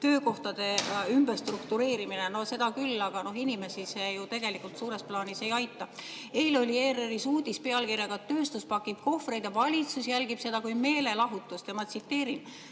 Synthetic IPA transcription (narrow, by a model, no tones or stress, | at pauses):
t̪ø̞ːko̞ht̪ɑd̪̥e̞ymberst̪rukt̪uɾe̞ːɾimineno̞hse̞d̪̥ɑkylːɑɡ̥ɑno̞ɦinime̞sisejut̪e̞ɡ̥e̞likːˑult̪suːɾe̞splɑːnise̞jɑjt̪ːˑɑ | eːlo̞lʲie̞ːɾeɾisuːd̪ispe̞ɑlkirjɑɡ̥ɑt̪ːø̞ːst̪uspɑkːˑib̥ko̞fre̞jd̪̥jɑvɑlʲit̪susjælɡ̥ib̥se̞d̪̥ɑkujme̞ːle̞lɑɦut̪ːˑust̪emɑt̪sit̪ːe̞ːɾin